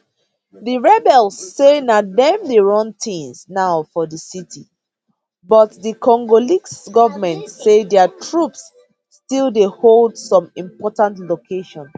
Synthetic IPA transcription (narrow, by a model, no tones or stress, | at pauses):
ðiɹɛbɛlˠsːenadɛ̃mdeɹɔ̃nθĩŋsnaʊfɔðəsitʰi | bɔtðikɔ̃ŋɡoliksɡɔvəmɛ̃ntsedɛətʰɹupsː | tilˠdeholˠdsɔ̃mĩmpɔtãntlokʰeʃɔ̃n